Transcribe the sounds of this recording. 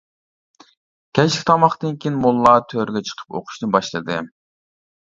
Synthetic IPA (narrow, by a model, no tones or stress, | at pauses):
kʲʰɛt͡ʃlʲɪkʲt̪ʰɑmɑχt̪ɨnkʲijnmolˠːɑːt̪ʰøɾɡʲɛt͡ʃʰə̥qʰə̥po̰qʰʊ̥ʃnɨbɑʃlˠɨd̪ɨ